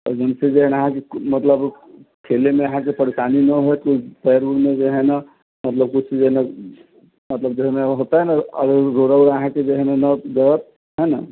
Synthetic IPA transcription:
ɔd͡ʒənsed͡ʒeɦnəɦãkemət̪ləb | kʰelemeəɦãkepəɾesaninəɦot̪upɛəɾbuɾmed͡ʒeɦɛna | mət̪ləb̚kʊt͡ʃʰsid͡ʒeɦnə | mət̪ləb̚d͡ʒeɦmeɦot̪aɦɛnaə̰ɾɾoɾəwɾəɦãked͡ʒeɦɛnanəd͡ʒəət̪̚ | ɦɛna̰

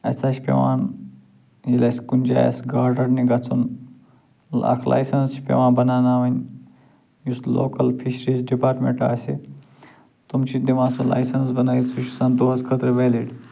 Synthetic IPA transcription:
ɐ̰saːt͡ʃʰpḛʋaːn | jilɐsʲkunʲd͡ʒa̰ːjɐ̰sɡaːɾɖɐɽniɡɐt͡sʰun | a̰kʰlʔa̰ːjsɐnst͡ʃʰi̥pʲḛʋaːnbɐnaːnaːʋɐnʲ | juslo̰ːkɐlpʰiʃɾizɖipaːɾʈmḛ̃ɳʈa̰ːsʲe | t̪umt͡ʃʰid̪iʋãːsola̰ːjsɐnsbɐnaːit͡sʰut͡ʃsɐnd̪oɦɐskʰɐt̪ɾɐʋeːliɖ

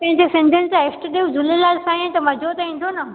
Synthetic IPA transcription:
pɐ̃ɦɪ̃ɲd͡ʑesɪ̃nd̪ʱʊnɪ̆tãɪsʈɗiud͡ʑʊlelaːlsãẽt̪ɐmɐd͡ʑʱot̪ɐĩːn̆d̪ʱonɐ

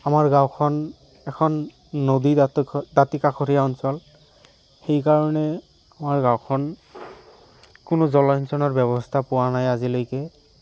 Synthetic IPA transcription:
amaɹɡawkʰɔn | ɛkʰɔnː | odidatikaxʰoɾʰijaɔnsɔl | xejkaɹɔnɛ | amaɹɡawkʰɔn | kʊnʊzɔlɔnsʰɔnɔɹbjɛbɔstʰapʊwanajazilojkɛ

